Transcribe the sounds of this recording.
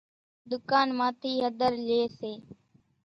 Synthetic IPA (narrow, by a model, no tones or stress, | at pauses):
d̪ʊkaːnmaːt̪ʰiːɦəd̪ʱəɾleːseː